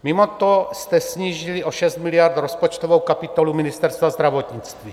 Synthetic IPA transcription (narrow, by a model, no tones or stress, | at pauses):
mimot̪ost̪ɛsɲiːʒiliʔoʃɛst̪mɪlijaɾt̪ɾospot͡ʃt̪ovowkapit̪olumɪnɪst̪ɛɾst̪vazd̪ɾavot̪ɲɪt͡st̪viː